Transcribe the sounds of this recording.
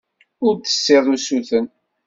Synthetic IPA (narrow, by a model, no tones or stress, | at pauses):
ʊɾt̪ə̥sːeðˤusuθən